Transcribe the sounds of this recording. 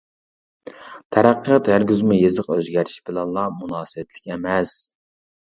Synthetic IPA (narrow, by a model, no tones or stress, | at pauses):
t̪ʰɛɾæqʰːət̪æɾɡʲyzmujezəqøzɡʲæɾiʃbɪlɛnlˠɑmunɑːsɨwɛt̪ʰlɪkʲɛmɛs